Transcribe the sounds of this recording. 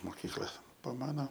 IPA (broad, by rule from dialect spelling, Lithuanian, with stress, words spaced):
moːˈkʲiːklˠɐ pɐ ˈmɑːnoː